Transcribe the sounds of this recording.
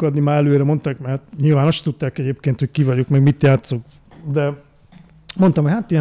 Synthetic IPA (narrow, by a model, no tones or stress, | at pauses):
kɒd̪nimaːɛløːɾɛmo̞nt̪aːkmɛt̪ɲilvaːnoʃt̪ut̪ːaːkɛɟeːp̚keːnt̪hockivɒɟokmɛɡmit̪jaːt̪sok | d̪ɛ | mo̞nt̪ɒmɦochat̪ijɛ